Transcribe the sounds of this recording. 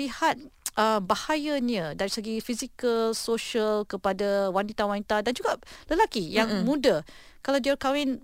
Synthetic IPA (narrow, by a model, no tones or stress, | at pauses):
lihat̪̚ʔəmbahajəniədaɾisəɡifizikəlsoʃəlkəpadawanit̪awanit̪adand͡ʒuɡaləlakijaŋmũda | kalawdiəkawɪn